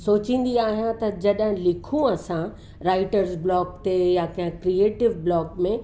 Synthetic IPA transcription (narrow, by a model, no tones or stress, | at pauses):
soːt͡ɕĩːn̆d̪iaːɦijãt̪ɐd͡ʑɐɗɦɪ̃lɪkʰũɐsã | ɾaːɪʈəɾzblɔːkt̪ejakɐ̃ɦɪ̃kɾieːʈɪʋblɔːkmẽ